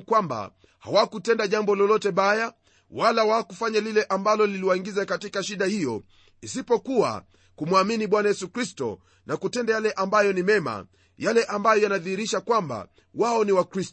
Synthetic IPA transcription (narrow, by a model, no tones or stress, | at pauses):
kwamba̰ | hawakutɛndaʄambɔlɔlɔtɛɓaja | walawakufaɲalilɛʔambalɔliliwaiŋɡizakatikaʃiɗahijɔ | isipɔkuwa̰ | kumwaminiɓwanajɛsukɾistɔ̰ | nakutɛndajalɛʔambajɔnimɛma̰ | jalɛʔambajɔjanaðihiɾiʃakwamba̰ | waɔniwakɾist